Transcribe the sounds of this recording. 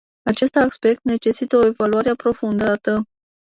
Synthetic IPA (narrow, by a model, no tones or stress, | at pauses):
at͡ʃe̞st̪akspe̞k̚t̪ne̞t͡ʃe̞sit̪əoe̞valuaɾeapɾo̞fund̪at̪ə